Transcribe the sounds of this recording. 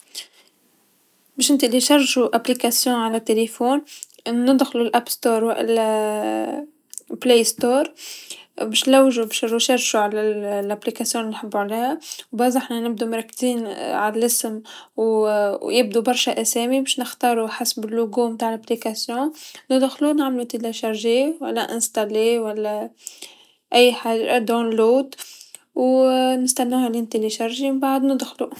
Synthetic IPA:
bɪːʃnt̪ɪʔliʃɑrˤːʒuʔaplikasjõːʕalat̪ːelefoːn | nɪd̪xlulʔapst̪oːɾˤwa̰ʔʔl | pleːst̪oːɾˤ | bɪʃnlawːʒubʃuʃɑɾˤʒuʕalalʔaplikasjõːnlinħɪbːuʕaleːhawbazˤʔɪħnanɪb̚d̪umɾˤɑkːz̥iːnʕalalɪsmwjɪb̚d̪ubɑɾˤʃaʔæseːmibɪːʃnɪxt̪ɑːɾˤuħasbɪlːʊɡumt̪aːʕlʔaplikasjɔ̃nɪd̪xlunɪʕmlut̪ilaʃɑɾˤʒiwa̰lːaʔɪ̰nst̪alewalːa | ʔɪjːħaʒd̪anluːt̪ | wnɪst̪anːaːhalɪnt̪eliʃɑɾˤʒimɪmbaʕd̪nɪd̪xlu

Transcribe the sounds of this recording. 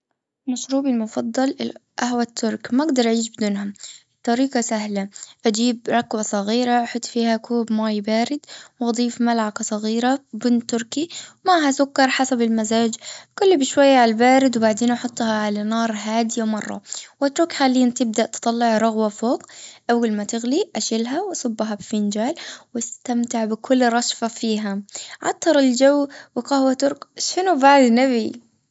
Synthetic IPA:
maʃɾuːbɪlmʊfɑd̪ˤːɑlʔaɦwat̪ʰːʊɾˤkmaʔaɡd̪ɑɾˤʔaʕiːʃbɪd̪uːnɦam | t̪ˤːɑɾiːqɑsahlaʔad͡ʒiːbɾˤɑkwasˤɑɣiːɾaʔaħʊt̪ˤːfiːhakuːbmaːjbaːɾɪd̪wʔɑd̪ˤiːfmalʕakɑsˤɑɣiːɾabɪnt̪ːʊɾˤkiwmaɦasʊkːɑɾˤħasabɪlmazaːd͡ʒkʊlːbɪʃwajːaʕalbaːɾɪd̪wbaʕd̪eːnʔɑħʊt̪ˤːhɑʕalanɑːɾˤɦaːd̪ɪjawmɑrˤːɑ̰wat̪ɾuːkxaːlːɪjːant̪ɪb̚d̪aʔt̪ɨ̥t̪ˤɑlːɪʕɾˤʊɣwafoːqʔawːalmat̪ɪɣliʔaʃɪlɦawʔɑsʊbːɦabfɪnd͡ʒaːlwɪst̪amt̪ɪʕbɪkʰʊlːɾˤɑʃfafiːɦaʕɑ̰t̪ˤːɑɾˤɪld͡ʒawːwɪqɑhwat̪ʊɾkʃɪnubaʕd̪nabi

